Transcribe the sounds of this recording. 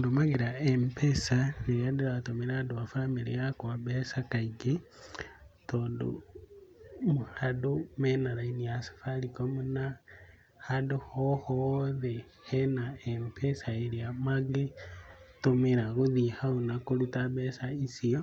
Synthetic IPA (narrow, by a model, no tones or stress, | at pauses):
ndumaɡiɾaempesaneijadiɾatomiɾaduafamiɾijakwabesakaiɡe | tondṵ | muhadumenaɾainijasḁfalikomuna | haduhohoðe | henaempʰesaeɾiamaɡe | tomeɾaɣuðihaunakolutaβesaisio